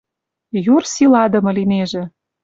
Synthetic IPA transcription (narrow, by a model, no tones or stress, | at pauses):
jursilɑd̪ɤ̆mɤ̆lineʒĕ